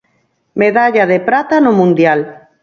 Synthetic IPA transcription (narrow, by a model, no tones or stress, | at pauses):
meðaʎaðepɾat̪anomũnd̪jal